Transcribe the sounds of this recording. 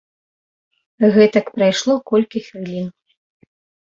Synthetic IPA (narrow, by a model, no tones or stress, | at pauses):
ɣɛt̪ɐkpɾajʂlˠɔkɔlʲkʲixʲvʲilʲin